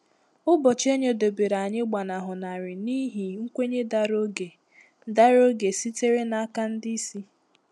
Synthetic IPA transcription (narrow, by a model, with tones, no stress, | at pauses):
ʊ˦bɔ˨t͡ʃe˦ɲe˨do˨be˨ɾa˨ɲɪ˦ɡ͡ba˨na˨ɦʊ˨na˨ɾɪ˨ni˦ɦi˨ŋ̩˦kʷe˦ɲe˦da˦ɾo˦ɡe˨ | da˦ɾo˦ɡe˨si˦te˦ɾe˦na˨a˦ka˦n̩˦di˦i˦si˦